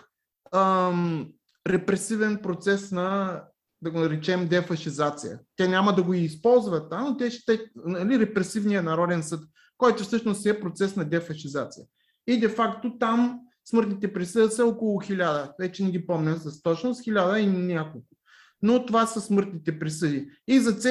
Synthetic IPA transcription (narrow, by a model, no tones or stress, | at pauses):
ə | ɾɛpɾɛsivɛnpɾot̪sɛsnɐ | d̪ɐɡonɐɾɛt͡ʃɛmd̪ɛfɐʃizat̪sijə̰t̪ɛnʲamɐd̪ɐɡoiːspɔlˠzvɐt̪ːanot̪ɛʃt̪ɛnɐliɾɛpɾɛsivnijənɐɾɔd̪ɛnsɤt̪ | kɔjt̪ʊfsɤʃnosɛpɾot̪sɛsnɐd̪ɛfɐʃizat̪sijə | id̪ɛfakt̪ot̪am | smɤɾt̪nit̪ɛpɾisɤd̪əsɐɔkolˠʊxilʲad̪əvɛt͡ʃɛnɛɡʲipɔmnɛsɐst̪ɔt͡ʃnosxʲilʲad̪əinʲakolˠkʊ̥ | not̪ovasɐsmɤɾt̪nit̪ɛpɾisɤd̪iizɐt̪sɛ